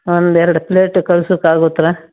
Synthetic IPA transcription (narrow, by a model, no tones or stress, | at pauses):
ond̪ɛɾɐɽupleːʈːkɐɭusukaːɡoːt̪ːɾa